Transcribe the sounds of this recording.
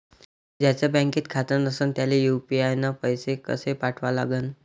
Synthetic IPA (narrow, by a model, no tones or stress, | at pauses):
d͡ʑjat͡sabɛ̃ŋkiːt̪kʰat̪ənəsəːnt̪jalejupiajnapəjsekə̰sepaʈʰʋala̰ɡən